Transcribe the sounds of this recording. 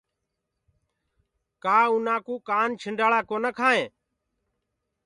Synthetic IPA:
kaːʊnaːkuːkaːnt͡ʃʰɪɳɖaːɭaːkoːnəkʰaːɦẽː

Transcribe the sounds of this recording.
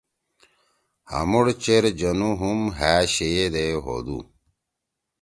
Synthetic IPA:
ha̰muɽt͡ɕeɾd͡ʑɐnuɦumɦæːɕejed̪eɦo̰d̪ṵ

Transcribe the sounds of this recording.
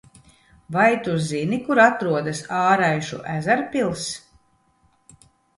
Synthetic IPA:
vajt̪uzinikuɾat̪ɾuɔd̪asaːɾajʃṵʔæzæɾpʲilˠs

